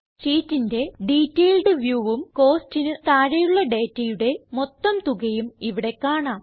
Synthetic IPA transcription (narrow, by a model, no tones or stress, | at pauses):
siːtːinde̞ɖiːtːeːlɖɨʋjuːʋumko̞ːstinɨt̪aːɻɐjuɭːɐɖe̞ːtːɐjuɽe̞mo̞t̪ːɐmt̪uɣɐjumiʋiɽe̞kːaːɳaːm